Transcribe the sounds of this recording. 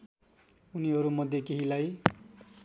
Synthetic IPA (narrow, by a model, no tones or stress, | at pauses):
uniɦʌɾumʌd̪ʱjekeɦilaj